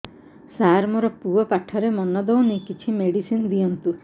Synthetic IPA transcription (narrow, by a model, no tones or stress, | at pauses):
saɾmɔɾɔpuɔpaʈʰːɔɾemɔnɔd̪ownikit͡ʃʰimeɽisinɔd̪iɔnt̪u